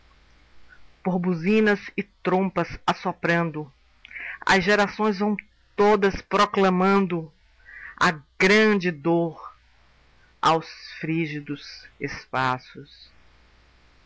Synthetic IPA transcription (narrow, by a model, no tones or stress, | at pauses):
poɾbuzĩnɐzɪt̪ɾõpɐsasopɾɐ̃nd̪ʊ | ɐ̰zʒeɾasõj̃zvɐ̃w̃ | t̪od̪ɐspɾoklɐ̃mɐ̃nd̪ʊ | ɐ̰ɡɾɐ̃d͡ʒɪd̪oɾ | a̰wsfɾiʒid̪ʊsespasʊs